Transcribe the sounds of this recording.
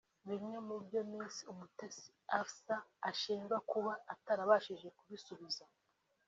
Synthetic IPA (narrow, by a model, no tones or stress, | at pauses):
βiɲemubɟo̞miːnsiumutesi̥afsaːʃiːŋɡakuβaːtaɾaβaʃiʒe̞kuβisuβiza